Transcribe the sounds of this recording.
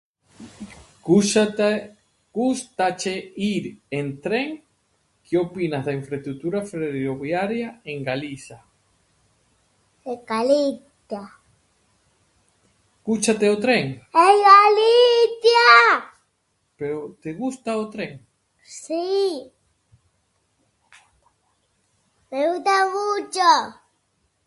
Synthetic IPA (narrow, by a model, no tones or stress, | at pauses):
ɡ̥ust̪at͡ʃeiɾent̪ɾeŋ | kʰeopinazðaiɱfɾest̪ɾut̪uɾafɾeɾoβjaɾjaeŋɡaliθa | ekalit̪ | a | kut͡ʃat̪eot̪ɾeŋejɣaliθja | peɾot̪eɣust̪aot̪ɾeŋ | si | pet̪aɣut͡ʃa